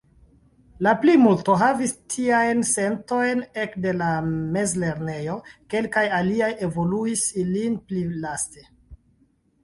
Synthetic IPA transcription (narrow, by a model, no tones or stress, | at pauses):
laplimulto̞ɦavistʰiajnse̞nto̞jne̞kde̞lamezle̞ɾne̞jo̞ke̞lkajaliaje̞vo̞luisilinplilaste̞